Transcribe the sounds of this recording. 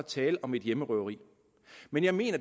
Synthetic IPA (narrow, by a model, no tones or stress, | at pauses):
t͡sʰɛːləʔɒ̽me̝d̥jeməʁœʊɐʁḭː | menjɑ̈ɪme̝̰ːnɐ̥